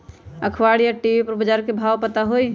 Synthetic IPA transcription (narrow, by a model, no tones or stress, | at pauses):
əkʰʋaɽijaʈiʋipəɾbəd͡ʒaːɾkebʱawpət̪aɦoj